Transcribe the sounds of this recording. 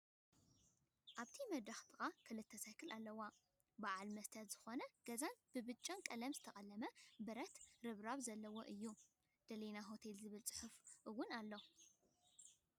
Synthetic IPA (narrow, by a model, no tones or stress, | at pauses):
ʔaβt̪ʰimɐd̪ɾaxt̪ʰʼɨxakʰɨlɨt̪ʰːɐsajkʰɨlalːɐwa | baʕalmɐst̪ʰɐt̪zɨxo̞nɐɡ̥ɐzanbɨbɨt͡ʃʼːankʼɐlɐmzɨt̪ʰɐχʼɐlːɐmɐbɐɾɐt̪ɾɨβɾaβzɐlːɐwoʔɨjːu | d̪̥ɐlenaɦo̞t̪ʰelzɨβɨlt͡sʼɨ̥ħufʔɨwʊnalːo